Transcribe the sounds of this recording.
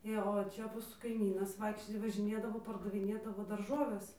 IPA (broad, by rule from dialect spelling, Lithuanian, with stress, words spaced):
ˈeː oː ˈt͡ʃʲɛ ˈmuːsuː kɐɪˈmʲiːnɐs ˈʋɐɪkʃʲt͡ʃʲoːj ʋɐʒʲɪˈnʲeːdɐʋoː pɐrdɐʋʲɪˈnʲeːdɐʋoː dɐrˈʒoːʋʲɛs